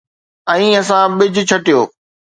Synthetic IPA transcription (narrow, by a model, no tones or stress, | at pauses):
ɛ̃ĩːɐsãɓɪd͡ʑʱʊ̆t͡ɕʰɐʈijoː